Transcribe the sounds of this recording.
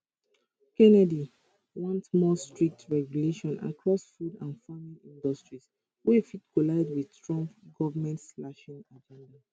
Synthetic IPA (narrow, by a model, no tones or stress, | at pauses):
kɛnɛdi | wɔ̃ntmɔstɹik̚tʰɹɛɡjuleʃɔ̃na̰kʰɹɔsfudãnfamĩnĩndɔstɹis | wifitkolaɪdwi̥tɹɔ̃mpɡɔvəmɛ̃ntslaʃĩŋad͡ʒɛ̃nda